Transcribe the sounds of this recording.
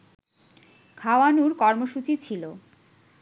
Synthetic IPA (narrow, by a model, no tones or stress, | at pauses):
kʰawanuɾkɔɾmoʃut͡ɕit͡ɕʰilo